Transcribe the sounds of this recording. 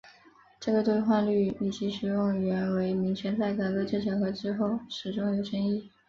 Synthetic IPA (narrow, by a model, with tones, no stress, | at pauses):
ʈ͡ʂɤ˥˩ɡə˩t̪we˥˧ɪxwa˥˧nly˥˩i˨˩t͡ɕi˧˥ʂɻ̩˨˩jʊ˥˩ŋ˨ɥɛ˧˥nwe˧˥ɪmi˧˥ŋt͡ɕʰjɛ˧˥nt͡sa˥˩ɪk̪a˥˩kɤ˥t͡ɕɛ˥˩ʈ͡ʂʰɑ˨˧˥ŋxɤ˧˥ʈ͡ʂɻ̩˥xo˥˩ʊʂɻ̩˨˩ʈ͡ʂʊ˥ŋjo˨˩ʊʂə˥ŋi˥˩